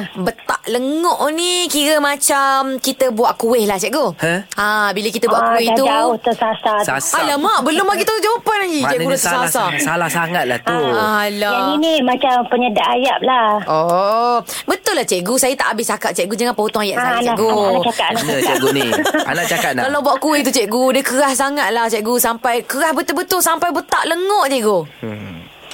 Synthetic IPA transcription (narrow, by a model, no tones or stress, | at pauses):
bət̪aʔləŋɔʔnikiɾəmat͡ʃamkit̪əbuaʔkuwɪhlaht͡ʃɛʔɡohəabiləkit̪əbuwaʔkuwɪt̪ut̪əsasasalamaʔbəlʊmaʔɡit̪ud͡ʒawapanlaɡit͡ʃɛʔɡulʊt̪əsasasalahsaŋat̪̚la̰ht̪ualaainimat͡ʃampəɲədaʔajap̚lao | bət̪ʊlːaht͡ʃɛʔɡusajat̪aʔabɪst͡ʃakat̪̚t͡ʃɛʔɡud͡ʒaŋanpəhut̪ʊŋajaʔalɛaɡuat͡ʃakananəɛɡunia̰naʔt͡ʃakat̪̚nakalawbwaʔkuit̪ut͡ʃɛʔɡudəkəɣahsaŋat̪̚laht͡ʃɛʔɡusampajkəɾahbət̪ʊlbət̪ʊlsampajbət̪aʔləŋɔʔt͡ʃɛʔɡu